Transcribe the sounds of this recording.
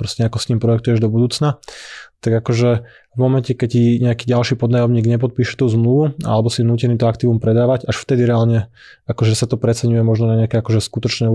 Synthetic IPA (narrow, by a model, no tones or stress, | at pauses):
pɾɔscɛakɔst̪iːmpɾɔjɛk̚t̪ujɛʒd̪ɔbud̪uːt͡snat̪aɡakɔʒɛ | vmɔmɛncɛkɛciɲɛakiːɟalʃiːpɔd̪najɔmɲiːɡɲɛpɔt̪̚piːʃɛ̥t̪uːzmluʋua̰lɛbɔsinuːcɛniːt̪ɔakt̪iːʋumpɾɛd̪aːʋacaʃft̪ɛd̪iɾɛaːlɲɛ | akɔʒɛsat̪ɔpɾɛt͡sɛɲujɛmɔʒnɔnaɲɛakɛakɔʒɛskut̪ɔt͡ʃnɛ